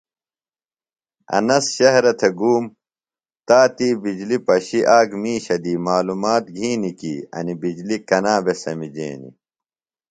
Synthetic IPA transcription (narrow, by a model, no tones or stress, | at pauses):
ɐ̰nɐsɕɐɦɾɐt̪ʰeɡuːm | t̪aːt̪iːbid͡ʑlipɐɕiʔaːɡmiːɕɐd̪iːmaːlumaːt̪̚ɡʱiːnikiːɐ̰nibid͡ʑlikɐnaːbesɐmid͡ʑḛːnḭ